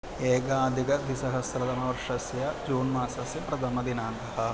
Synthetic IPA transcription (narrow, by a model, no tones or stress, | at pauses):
eːɡaːd̪ʱiɡɐd̪ʱisɐɦɐsɾɐd̪ɐmɐʋɐɾʂɐsjɐd͡ʒuːnmaːsɐsjɐpɾɐd̪ʱɐmɐd̪inaːŋɡɐɦɐ̆